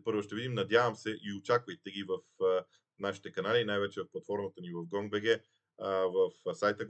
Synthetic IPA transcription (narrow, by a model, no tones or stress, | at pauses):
pɤɾvʊʃt̪ɛvid̪imnɐd̪javəmsɛʔiot͡ʃakvəjt̪ɛɡʲivəf | naʃi̥t̪ɛkɐnaliːnajvɛt͡ʃɛvɐfplˠɐt̪fɔɾmət̪ənivɐfɡɔŋɡvɛɡʲɛ | vɐfsajt̪ə